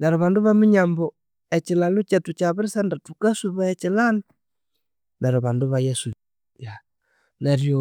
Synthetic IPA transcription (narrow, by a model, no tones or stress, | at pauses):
naɾoβanduβamiɲambo | et͡ʃilalut͡ʃetut͡ʃaβuɾisandatukasuβaɛt͡ʃilana | naɾoβanduβajɛsu | ja | naɾjo